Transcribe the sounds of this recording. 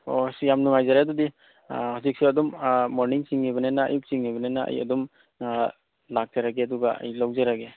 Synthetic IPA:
osjamnuŋajzaɾadudi | hawzik̚suɐdɔmːoɾniŋsiŋːiβɐnena̰ːjuk̚siŋniβɐnenaʔɐ̰jɐ̰dum | lak̚zaɾaɡeɐduɡaɐ̰jlawzaɾaɡe

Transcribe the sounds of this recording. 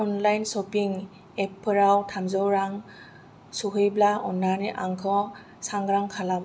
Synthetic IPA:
ɔnlajnsɔpiŋ | epʰːɯɾawtʰamzɔwɾaŋ | suɦɯjblaʔɔnːaniʔaŋkʰɔ | saŋɡɾaŋkʰalam

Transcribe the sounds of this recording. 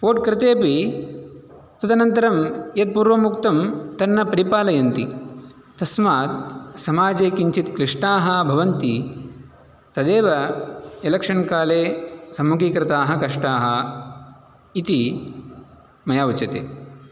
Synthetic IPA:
poːʈkɾɪt̪eːpi | t̪ɐt̪ɐnɐnt̪ɐɾɐmjɐt̪̚puːɾʋɐmukt̪ɐmt̪ɐnːɐpɐɾipaːlɐjɐnt̪i | t̪ɐsmaːt̪̚sɐmaːd͡ʒeːkiɲt͡ʃit̪kɾɪʂʈɳaːɦɐ̆bʱɐʋɐnt̪i | t̪ɐd̪eːʋɐelɐkʂɐɳkaːleːsɐmːukikɾɪt̪aːɦɐkɐʂʈaːɦɐ | it̪i | mɐjaːʋut͡ʃɐt̪ḛː

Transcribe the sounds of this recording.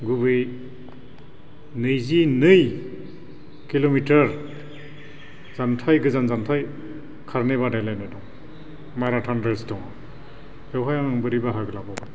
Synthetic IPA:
ɡubɯj | nɯjzinɯj | kilomitaɾ | z̥antʰajɡɯzanzantʰaj | kʰaɾnebadajlajnajdɔŋ | maɾatʰanɾestɔŋa | hewɦajaŋŋbɯɾibaɦaɡɯlababa

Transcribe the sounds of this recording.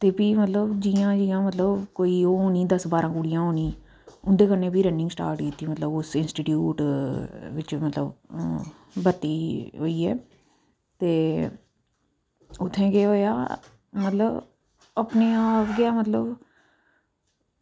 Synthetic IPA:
t̪eːpiːmət̪ləbd͡ʒiːãːd͡ʒiːãːmət̪ləbkoːiːoːoːnĩːd̪əsbaːɾãːkuːɽijãːɦoːniː | ʊnd̪eːkəneːpiːɾə̃ɳɖɪ̃ŋɡsʈa̰ːɾʈkiːt̪ːiːmət̪ləbʊsɪnsʈiːʈjuːʈ | ʋɪt͡ʃmət̪ləb | bət̪ːiːɦo̰ːiːɛ̰ː | t̪eː | ʊt̪ʰːẽːɡeːɦoːja̰ː | mət̪ləb | əpneːaːpɡɪaːmət̪ləb

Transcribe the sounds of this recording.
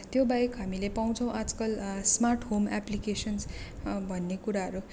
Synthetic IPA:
t̪jobaekɦamilepaw̃t͡sʰʌ̃w̃ʔad͡zkʌlsmarʈɦomaplikesʌnsbʱʌnːekuɾaɦʌɾu

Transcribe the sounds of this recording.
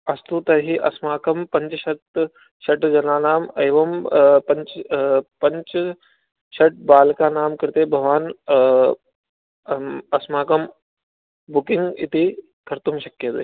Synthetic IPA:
ɐst̪ut̪ɐɾɦiːʔɐ̰smaːkɐmpɐɲt͡ʃʃɐt̪ | ʃɐʈd͡ʒɐnaːnaːmeːʋɐmpɐɲt͡ʃpɐɲt͡ʃ | ɕɐʈ̚baːlkaːnaːmkɐɾt̪eːbʱɐʋaːn | ɐsmaːkɐm | bukiŋɡḭt̪iː | kʰɐɾt̪umɕɐkjət̪e

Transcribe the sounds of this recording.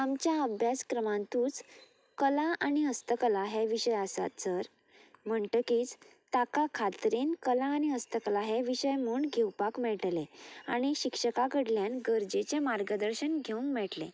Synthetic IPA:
amt͡ɕjaəbʱjaskɾəmãnt̪ũːt͡s | kəlãʔaɽiəst̪əkəlaɦeʋiɕəjasa̰t̪səɾ | m̤əɳʈəkiːt͡s | t̪akakʰat̪ɾenkəlãːñiəst̪əkəlaɦeʋiɕəjmuːɳɡʱewpakmɛɭʈlea̰ɽ̃iɕikʂəkakəɽljanɡəɾd͡ʑet͡ɕemaɾɡəd̪əɾɕənɡʱeũŋkmɛɭʈlḛ

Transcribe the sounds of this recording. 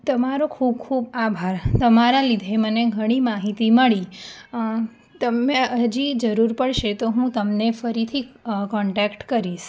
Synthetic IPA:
t̪əmaɾokʰub̚kʰubabʱaɾt̪əmaɾalid̪ʱeməneɡʱəɽ̃imaɦit̪iməɭi | t̪əmeəd͡ʒid͡ʒəɾuɾpəɭʃet̪oɦũt̪əmnefəɾit̪ʰikɔ̃ɳʈɛkʈkəɾiʃ

